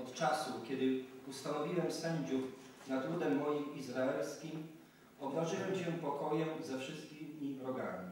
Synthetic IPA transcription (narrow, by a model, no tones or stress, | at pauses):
ɔt̪t͡ʂasukʲɛd̪ɘust̪anɔvʲiwɛmsɛɲd͡ʑup | nad̪wud̪ɛmːɔjimizɾaɛlskʲim | ɔbvaʐɘwɛmɕɛpɔkɔjɛmzɛfʂɘst̪̚kʲimʲːibɾɔɡa̰mʲi